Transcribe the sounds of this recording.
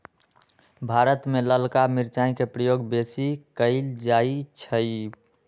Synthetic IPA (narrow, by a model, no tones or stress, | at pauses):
bʱaɾət̪meləlkamiɾt͡ʃaĩkepɾəjoɡbesikəɪld͡ʒait͡ʃʰəj